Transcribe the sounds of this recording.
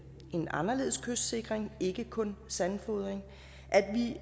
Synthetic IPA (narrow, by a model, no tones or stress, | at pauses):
ʔe̝nɑ̈nɐle̝ːðˠskʰøsd̥se̝ɡ̥ʁeŋe̝ɡ̥əkʰɔ̽nsænfɔðˠʁeŋ | ʔæd̥ʋi